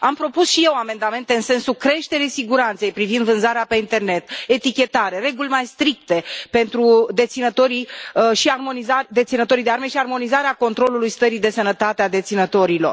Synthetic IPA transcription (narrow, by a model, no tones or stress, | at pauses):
ampɾo̞pusʃije̞wame̞nd̪ame̞nt̪eɨnse̞nsukɾe̞ʃt̪e̞ɾisiɡuɾant̪se̞jpɾivind̪vɨnzaɾeape̞int̪e̞rne̞t̪e̞t̪ikʲe̞t̪aɾe̞ɾe̞ɡulʲmajst̪ɾikt̪e̞pe̞nt̪ɾud̪e̞t̪sinət̪o̞ɾiʃiarmo̞nizad̪e̞t̪sinət̪o̞ɾid̪e̞arme̞ʃiarmo̞nizaɾeako̞nt̪ɾo̞lulujst̪əɾid̪e̞sənət̪at̪ead̪e̞t̪sinət̪o̞ɾilo̞r